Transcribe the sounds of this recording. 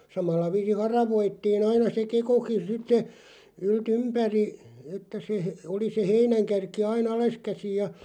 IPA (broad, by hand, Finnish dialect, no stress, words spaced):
sɑmɑlːɑ ʋiːsin̞ hɑrɑʋoitːiːn ɑinɑ se kekokin̞ sitːe yltympæri etːæ se oli se heinæŋkærki ɑin ɑleskæsij jɑ